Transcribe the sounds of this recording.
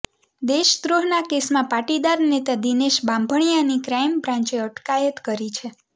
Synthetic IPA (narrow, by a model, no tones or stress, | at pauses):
d̪eʃt̪ɾoɦnakesmãpaʈid̪aɾnet̪ad̪ineʃbãmbʱəɳ̃ijanikɾajmpɾãɲt͡ʃeəʈkajət̪kəɾit͡ʃʰe